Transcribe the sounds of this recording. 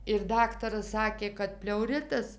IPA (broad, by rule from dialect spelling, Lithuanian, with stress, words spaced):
ɪr ˈdɑːktɐrɐs ˈsɑːkʲeː kɐt pʲlʲɛʊˈrʲɪtɐs